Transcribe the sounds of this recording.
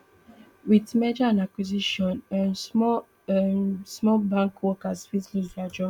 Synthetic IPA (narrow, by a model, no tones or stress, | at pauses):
witmed͡ʒaãnakwiziʃɔ̃nãns | smɔbãŋkwɔkasfislusad͡ʒɔ̃